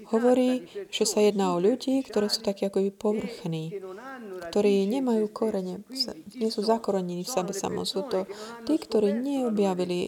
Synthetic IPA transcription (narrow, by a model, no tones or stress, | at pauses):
hɔʋɔɾiːʒ̥ɛsajɛd̪naːɔʎuɟiːkt̪ɔɾɛːsuːt̪akɛːakɔbipɔʋr̩xniːkt̪ɔɾiːɲɛmajuːkɔɾɛɲɛsɲɛsuːzakɔɾɛɲɛniːfsɛbɛsa̰mɔ̰suːt̪ɔt̪iːkt̪ɔɾiːɲɛɔbjaʋili